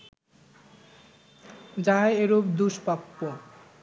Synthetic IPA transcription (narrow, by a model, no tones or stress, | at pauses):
d͡ʑaeeɾobd̪uʃpapːo